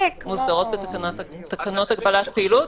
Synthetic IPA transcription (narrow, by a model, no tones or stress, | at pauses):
emuzdɐʁo̞t̪̚bet̪akanatt̪akano̞t̪aɡbalat̪peilut